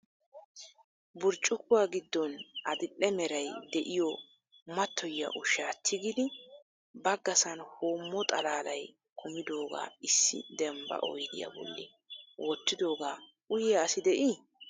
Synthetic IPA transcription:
bʊɾt͡ʃʼːʊkʊwaːɡɪd̪ːɔnɐd̪ɪlːɛmɛɾɐjd̪ɛʔɪjɔ | mɐt̪ʰːɔjːɐ̰ʔʊʃaːt̪ʰːɪɡɪd̪ɪ | bɐɡːɐsɐnhoːmːɔt̪ʼɐlaːlɐj | kʰʊmɪd̪o̞ːɡa̰ːɪsːɪ̰d̪ɛmbɐ̰ʔɔ̰jd̪ɪja̰bɔ̰lːɪ̰ | wɔt̪ːɪd̪o̞ːɡaː | ʊjaːsɪd̪ɛʔi

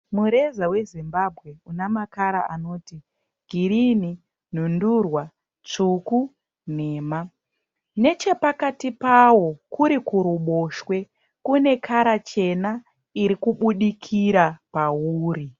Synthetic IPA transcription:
muɾe̞zawe̞zimbabʱɣe̞unamakaɾaano̞ːti | ɡ̥ʱiɾini | n̤undurwa | t͡ʂuku | ne̞ːma | ne̞t͡ʃe̞pakatipawo̞kuɾikuɾuɓo̞ʃwe̞ | kune̞kʰaɾat͡ʃe̞na | iɾikuɓuɗikʰiɾapauːri

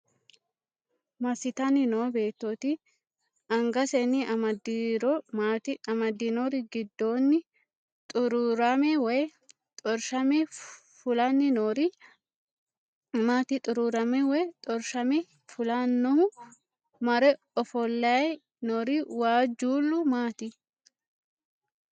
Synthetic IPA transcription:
mɐsɪt̪ɐnɪnoːbe̞ːt̪ːot̪ɪ | ɐŋɡɐsɛnːɪʔɐmɐd̪iɾɔmaːt̪ɪɐmɐd̪ːɪnoɾɪɡɪd̪ːo̞ːnːɪ | t̪ʼʊɾuɾɐmɛwɔj | t̪ʼɔɾʃɐmɛ | fʊlɐnːɪnoɾɪ | maːt̪ɪt̪ʼʊɾuːɾɐmɛwɛjt̪ʼɔɾʃɐmɛ | fʊlanːɔhʊ | mɐɾɛ | ɔfɔlːɐj | nɔɾɪwaːd͡ʒuːlːʊmaːt̪ɪ

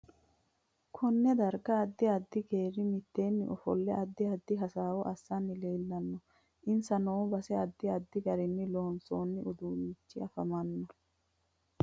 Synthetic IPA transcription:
kʰɔnːɛd̪ɐɾɡɐːd̪ːɪɐd̪ːɪɡe̞ːɾɪmɪt̪ːe̞ːnːɪʔɔfɔ̰lːɛʔɐd̪ːɪɐd̪ːɪɦɐsaːwɔʔɐsːɐnːɪleːlːɐnːɔ | ʔɪnsɐnoːbɐsɛɐd̪ːɪɐd̪ːɪɡɐɾɪnːɪloːnsoːnːɪʊd̪uːwiːt͡ʃːɪɐfɐmɐnːɔ

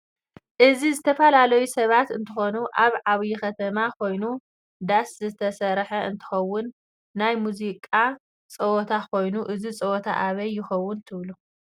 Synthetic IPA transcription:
ʔɨzizɨt̪ʰɐfɐlalɐjusɐβat̪ɨnt̪ʰɨxo̞nuʔaβʕaβjixɐt̪ʰɐmakʰo̞jnu | d̪aszɨt̪ʰɐsɐɾħɐɨnt̪ʰɨ̥xɐwːʊnː | ajmuzikʼa | t͡sʼɐwot̪ʰakʰo̞jnuʔɨzit͡sʼɐwot̪ʰa̰ʔaβɐjːɪxɐwːʊnt̪ʰɨβlu

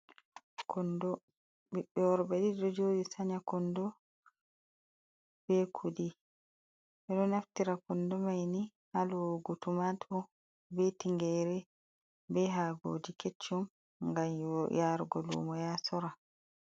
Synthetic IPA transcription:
kʰɔndɔ | biɓɛɔɾbɛɗiɗɔd͡ʒoːdisaɲakɔndɔ | b̥ɛkʰudi | ʔɛɗɔnaftiɾakɔndɔmajni | haluɡutumatʰɔ | bɛtiŋɡɛɾɛ | bɛɦaːɡo̰ːd͡ʒiket͡ʃːum | ŋɡamjaɾɡɔlṵmɔjasɔɾa

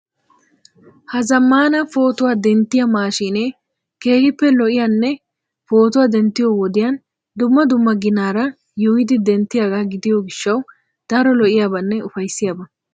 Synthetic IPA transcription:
hɐzɐmːaːnɐfo̞ːt̪ʊwaːd̪ɛnt̪ːɪjɐmaːʃine | keːhɪpːɛlɔʔɪjanːɛ | fo̞ːt̪ʊwaːd̪ɛnt̪ːɪjowɔd̪ɪjan | d̪ʊmːɐd̪ʊmːɐɡɪnaːɾɐ | jujɪd̪ɪd̪ɛnt̪ːɪjaːɡaɡɪd̪ɪjɔɡɪʃːɐw | d̪̥ɐɾɔlɔʔɪjaːbɐnːɛʊfɐjsːɪjaːbɐ

